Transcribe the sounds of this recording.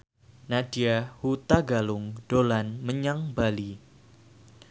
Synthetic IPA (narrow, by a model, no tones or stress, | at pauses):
nadiahut̪aɡalʊŋd̥olanməɲaŋbali